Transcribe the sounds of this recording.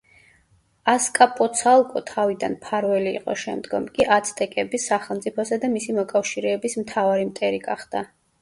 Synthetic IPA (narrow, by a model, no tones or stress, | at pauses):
askʼapʼɔt̪sʰalˠkʼɔt̪ʰavid̪a̰npʰaɾvɛlḭːqʼɔ̰ʃɛmd̪ɡɔmkʼiʔat̪sʰt̪ʼɛkʼɛbisaχɛlˠmt̪sʼipʰɔsad̪amisimɔkʼafʃiɾɛːbismt̪ʰavaɾimt̪ʼɛɾiɡa̰χd̪a